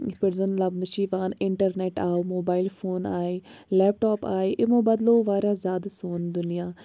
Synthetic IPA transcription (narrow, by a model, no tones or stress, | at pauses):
ɪpəɽzənlɐbnɐʃiːʋaːnɪɳʈəɾneːʈaːomoːbaːɪlfʰoːnaːiːlɛːp̚ʈɔːpaːeːʔɪmõːbɐd̪loːʋaːɾaːzjaːd̪asoːnd̪ʊnijaː